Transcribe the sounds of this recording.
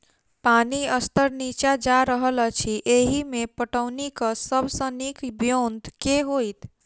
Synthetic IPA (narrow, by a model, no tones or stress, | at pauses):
paniəst̪əɾnit͡ʃad͡ʒaɾəɦələt͡ʃʰiʔeɦimepəʈəwnikəsəbʱsə̃nikbjond̪ʱkeɦojt̪